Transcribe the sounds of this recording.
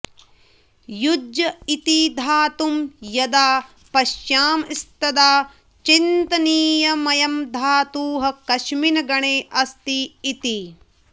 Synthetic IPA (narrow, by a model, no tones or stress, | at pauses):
judjɐit̪id̪ʱaːt̪umjɐd̪aː | pɐʃjaːmist̪ɐd̪aː | t͡ʃint̪ɐniːjɐmɐjɐmd̪ʱaːt̪uːɦɐkɐʃminɐɡɐɳeːʔɐst̪iːt̪i